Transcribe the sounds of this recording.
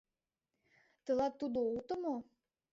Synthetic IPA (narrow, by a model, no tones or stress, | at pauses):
t̪ə̆lɑt̪ːud̪out̪ə̆mo